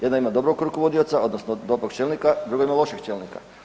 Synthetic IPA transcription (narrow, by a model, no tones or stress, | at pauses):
jd̪naimad̪o̞bɾoɡkɾukoʋo̞d̪iot̪sao̞d̪nosnod̪o̞bɾokt͡ʃelnikad̪ɾuɡoimalˠo̞ʃikt͡ʃelnika̰